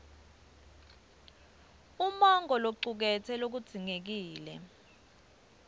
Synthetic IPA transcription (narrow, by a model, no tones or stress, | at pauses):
umaŋɔloǀuk̬ɛtʰɛlok̬ud̥z̥ʱiŋek̬iːlɛ̰